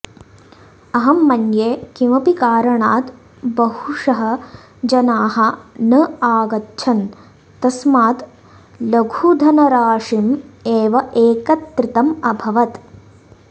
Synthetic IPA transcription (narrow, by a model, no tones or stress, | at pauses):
ɐɦɐmːɐnjeːkiʋɐpikaːɾɐɳaːt̪ | bɐɦuʂɐɦɐ̆ | d͡ʒɐnaːɦɐ̆nɐaːɡɐtːʃʰɐn | t̪ɐsmaːt̪ | lɐɡʱud̪ʱɐnɐɾaːʂimeːʋɐʔeːkɐt̪ɾɪt̪ɐmɐbʱɐʋɐt̪